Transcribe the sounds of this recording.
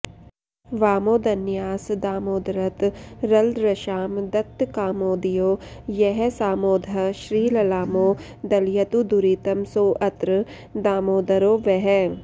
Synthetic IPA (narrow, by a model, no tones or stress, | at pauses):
ʋaːmoːd̪ɐnjaːsd̪aːmoːd̪ɾɐt̪ɾɐld̪ɾɐʃaːmd̪ɐt̪ːkaːmoːd̪ijoːjɛɦɛsaːmoːd̪ʱɐʃɾiːlɐlaːmoː | d̪ɐljɐt̪ud̪uɾiːt̪ɐmsoːʔɐt̪ɾə | d̪aːmoːd̪ɐɾoːʋɛɦɛ